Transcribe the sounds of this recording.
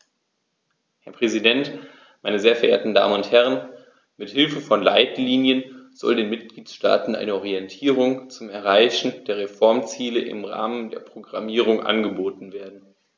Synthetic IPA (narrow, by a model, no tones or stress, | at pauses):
hɛɐpʁ̥ɛzidɛnt | maɪnəzeːɐfɛɐʔḛːɐtn̩da̰ːmənʊnthɛʁ̞ən | mɪthɪlfəfɔnlaɪtliːnjənz̥ɔ̰ldeːnmɪt̚ɡ̥liːtʃta̰ːtn̩ʔa̰ɪnəɔʁiɛntʰiːʁ̞ʊŋt͡sʊmɛɐʁ̞aɪçn̩deːɐʁefɔɐmt͡siːləʔɪ̰mʁa̰ːməndḛːɐpʁ̥oɡʁamiːʁʊŋʔa̰nɡəboːtn̩veːɐdn̩